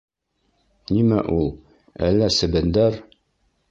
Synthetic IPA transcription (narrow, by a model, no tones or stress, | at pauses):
nimæʔulˠ | ælːæsɘ̆bɘnd̪æɾ